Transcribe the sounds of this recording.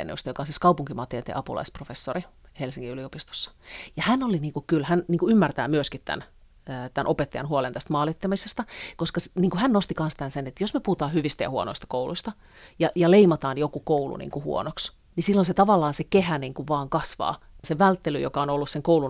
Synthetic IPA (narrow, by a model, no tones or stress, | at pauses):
nṵst̪ɑjokɑonsiskɑupuŋkimɑt̪eːt̪ḛʔɑpṵlɑ̰isprofesːorihelsiŋːiyliopist̪o̥sːɑ̥jɑhænoliniːŋkukylhænniːŋkuymːært̪æ̰ːmyøskit̪t̪æ̰nː | t̪ænʔopet̪ːɑjɑ̰nhuolent̪æst̪mɑːlit̪ːɑmisest̪ɑkoskɑsniːŋkuhænnost̪ikɑnst̪ænsenet̪josmepuhut̪ɑːhyʋist̪æjɑ̰huo̰no̰ist̪ɑ̥koulṵist̪ɑ | jɑjɑleimɑt̪ɑːnjokukoulṵnḭːŋkuhṵo̰noks | nisilːonset̪ɑʋɑlːɑːnsekehæniːŋkuʋʋɑːŋkɑsʋɑ̰ː | seʋælt̪ːelyjo̰kɑonolːusseŋkoulun